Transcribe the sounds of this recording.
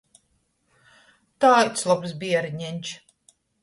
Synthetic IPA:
t̪aːjt̪slˠɔpsbʲiɛɾɲɛnʲt͡ʃ

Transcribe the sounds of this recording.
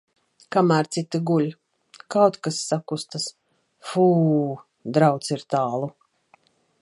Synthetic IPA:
kamæːɾt̪sit̪aɡulʲ | kawt̪kasːakust̪as | fuː | d̪ɾawt̪siɾt̪aːlˠu

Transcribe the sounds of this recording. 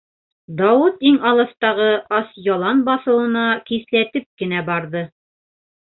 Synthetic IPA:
d̪ɑwut̪iŋɑlˠɤ̆st̪ɑʁɤʔɑsjɑlˠɑnbɑθɤ̆wɤ̆nɑkiθlæt̪ɘp̚kɘ̆næbɑɾðɤ

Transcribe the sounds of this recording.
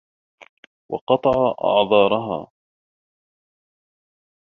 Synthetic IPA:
wɑ̰qɑt̪ˤɑʕɑʔɑ̰ʕðˤɑːɾˤɑɦa̰ː

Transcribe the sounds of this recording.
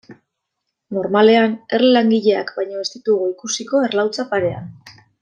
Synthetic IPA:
no̞ɾmale̞ane̞rllaŋɡiʎe̞a̰kbajɲo̞est̪it̪uɣo̞ikusiko̞e̞ɾlawt͡sapaɾe̞a̰n

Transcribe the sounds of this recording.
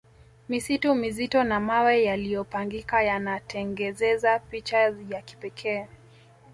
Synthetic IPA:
misitumizitɔnamawɛjalijɔpaŋɡikajanatʰɛŋɡɛzɛzapit͡ʃajaki̥pɛkʰɛː

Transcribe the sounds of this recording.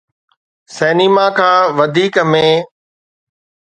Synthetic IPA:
sɛːnimakʰãːʋɐd̪ʱiːkmẽː

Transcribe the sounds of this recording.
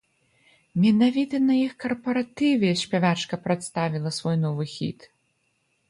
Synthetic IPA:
mʲɛnavʲit̪ɐnɐjixkɐrpɐɾat̪ɨvʲɛɛɕʲpʲavat͡ʂkɐpɾat̪st̪avʲilˠɐsvɔjnɔvɨxʲḭt̪

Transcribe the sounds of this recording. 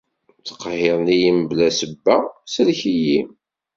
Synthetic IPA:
t͡sːqːɦeɾˤnijiməblæsəbːæsəlçiji

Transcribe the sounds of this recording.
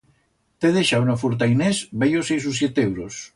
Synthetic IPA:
t̪eðeʃawnofuɾt̪̬ajnesbejosejsusjet̪ewɾos

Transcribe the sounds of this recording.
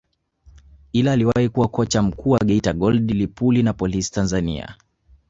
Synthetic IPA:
ilaːliwahikuwakɔt͡ʃam̩kʰuːwaɡɛitaɡɔldilipulinapɔlisi̥tanzanḭa̰

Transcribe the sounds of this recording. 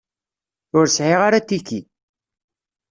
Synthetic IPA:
ʊɾsʕiʁaɾat̪ːiki

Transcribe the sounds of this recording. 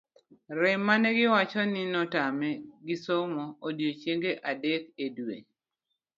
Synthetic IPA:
ɾɛmːanɛɡɪwat͡ʃɔnɪnɔtamɛɡɪsomɔodjot͡ʃjeŋɡeʔadekedwḛ

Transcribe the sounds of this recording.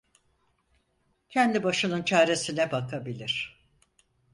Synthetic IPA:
cʰɛnd̪ibaʃɯnɯnt͡ʃʰaːɾe̞sinɛbakʰabilʲiɾ̝̥

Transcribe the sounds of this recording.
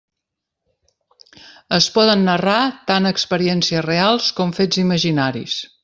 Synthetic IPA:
əspɔðənːərat̪anəkspəɾiɛnsiəzrealˠskɔmfed͡ziməʒinaɾḭs

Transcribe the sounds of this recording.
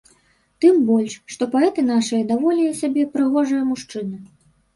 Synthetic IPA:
t̪ɨmbɔlʲʂʂt̪ɔpaɛt̪ɨnaʂɨjɐd̪avɔlʲɛjɛsʲabʲɛpɾɨɣɔʐɨjɐmuʂt͡ʂɨnɨ

